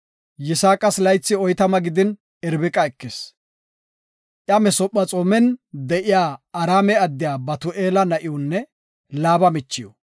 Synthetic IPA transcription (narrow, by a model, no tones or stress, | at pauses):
jɪsaːkʼɐslɐjt͡sːɪɔjt̪ɐmɐɡɪd̪ɪn | ɛɾbɪkʼɐɛkːes | ʔjɐmɛsɔpʼːɐt͡sʼoːmɛnd̪ɛʔɪjaːɐɾaːmɛɐd̪ːɪjaːbɐt̪ʊʔeːlɐnɐʔɪjʊnːɛ | laːbɐmɪt͡ʃːɪjɔ